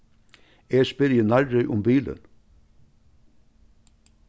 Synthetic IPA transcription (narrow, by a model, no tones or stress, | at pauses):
eːspɪɾjənɑɾɹœʏʔʊmbiːlə̰n